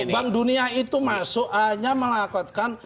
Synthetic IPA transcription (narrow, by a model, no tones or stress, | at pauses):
baŋduniait̪umasʊʔhaɲaməlakɔt̪̚kan